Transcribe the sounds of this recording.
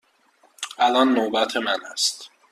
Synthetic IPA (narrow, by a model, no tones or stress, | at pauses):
ʔælɒnːobæt̪ʰemænæst̪